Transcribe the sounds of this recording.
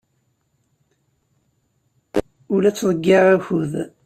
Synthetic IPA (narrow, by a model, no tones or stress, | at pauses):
ʊlæt͡sːðˤəɡːeʁæçuð